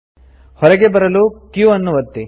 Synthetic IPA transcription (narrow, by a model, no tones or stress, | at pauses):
hɔɾɛɡe̞bɐɾɐlukjuɐnːuʋɐt̪ːi